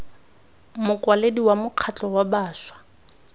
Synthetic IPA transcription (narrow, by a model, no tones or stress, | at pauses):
mʊkwalediwamʊq͡χʰat͡ɬɔwabaːʃwḁ